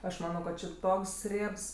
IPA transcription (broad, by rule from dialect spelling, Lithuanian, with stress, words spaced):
ˈɐʃ ˈmɑːnoː kɐt t͡ʃʲɪ ˈtoːks ˈrʲiɛps